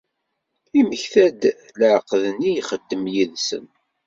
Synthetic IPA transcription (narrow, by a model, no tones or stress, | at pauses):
iməçθæd̪ | ləʕqðnːijχəd̪ːəmjiðsə̰n